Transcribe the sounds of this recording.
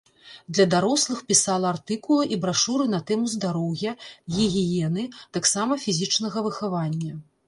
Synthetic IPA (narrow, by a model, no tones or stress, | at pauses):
d̪lʲɐd̪aɾɔslˠɨxpʲisalˠɐart̪ɨkulˠɐʔibɾaʂuɾɨnɐt̪ɛmuzd̪aɾɔwɣʲjɐɣʲiɣʲijɛnɨt̪aksamɐfʲizʲit͡ʂnɐɣɐvɨxavanʲːɐ